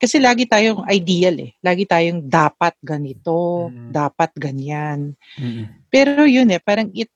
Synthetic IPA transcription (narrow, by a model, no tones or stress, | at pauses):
kɐsɛlaːɡɪt̪aːjoŋʔɐjd̪iːjalɛ̰laːɡɪt̪aːjoŋd̪aːpɐt̪̚ɡɐnɪt̪o̞d̪aːpɐt̪̚ɡɐɲan | pɛːɾo̞jʊnɛpaːɾɐŋɪt̪